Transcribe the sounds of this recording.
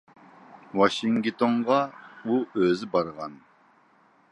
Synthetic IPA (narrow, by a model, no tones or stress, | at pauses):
wɑʃiŋɡt̪ʰoɴʁɑuøzɪbɑɾʁɑn